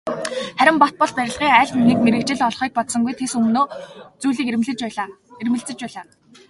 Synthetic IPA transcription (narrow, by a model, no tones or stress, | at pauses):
χæɾʲɪ̆mpɔt̪̚pɔɮpæɾʲɪ̆ɮʁiːŋæːɮmumiːkmeɾɘ̆k̚t͡ɕɪ̆ɮɔɮχiːk̚pɔt̪sɞ̆ŋɡujt̪ʰesɵmnoːt͡sujɮiːkerm̆ɮɘ̆t͡ɕː | ermɘ̆ɬt͡sɘ̆t͡ɕpæːɮaː